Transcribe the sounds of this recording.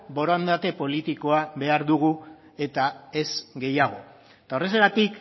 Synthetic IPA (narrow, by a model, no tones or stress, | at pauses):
bo̞ɾoand̪at̪e̞po̞lit̪iko̞aβe̞aɾðuɣ̞u | e̞t̪ae̞zɡe̞jaɣ̞o̞ | t̪aore̞seɣat̪ik